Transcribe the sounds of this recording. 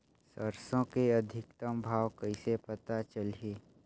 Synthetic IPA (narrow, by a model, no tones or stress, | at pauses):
səɾsõkeɐd̪ʱɪkt̪əmbʱaːʋkəisepət̪at͡ʃəlieː